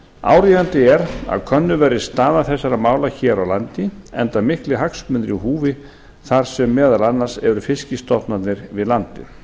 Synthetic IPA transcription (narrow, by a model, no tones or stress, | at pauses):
a̰ːwɾivant̪ɪɛɾa̰ðkʰœnːʏvɛɾðɪst̪aːðaθɛsːaɾamaːwlaçɛːɾawlant̪ɪɛnt̪amɪhklɪɦaksmʏnt̪ɾiɦuːvɪ | θaɾ̥sɛmːɛːðalanːaɾ̥sɛɾʏfɪscɪst̪ɔht̪nat̪nɪɾvɪðlant̪ɪ̰